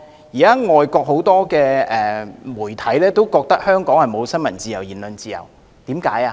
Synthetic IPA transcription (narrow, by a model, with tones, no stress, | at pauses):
jiː˨˩kaː˦˥ŋɔː˨˧jkɔː˧k̚ɦo˨˥wt̪ɔː˥kɛː˧ɛː˨˩muː˨˩jt̪ʰɐ˨˥jlɛː˥t̪o˥wkɔː˧k̚t̪ɐ˥k̚hœː˥ŋkɔː˨˥ŋhɐ˨jmo˨˧wsɐ˥nmɐ˨˩nt͡siː˨jɐ˨˩wjiː˨˩nlɵ˨nt͡siː˨˧jɐ̰˨˩w | t̪iː˨˥mkaː˨˥jaː˧